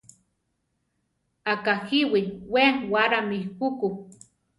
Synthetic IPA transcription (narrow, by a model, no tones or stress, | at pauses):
akahiwiweŋwaɾamikuku